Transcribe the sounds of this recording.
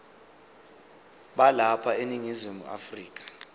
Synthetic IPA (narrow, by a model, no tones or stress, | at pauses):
ɓalapʰaeniŋizimṵʔa̰friːk̬ʼḁ